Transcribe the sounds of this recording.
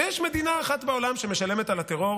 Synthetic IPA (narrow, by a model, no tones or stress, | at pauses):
jɛʃme̞d̪inaːχat̪beo̞lamʃemeʃalemet̪alat̪eʁo̞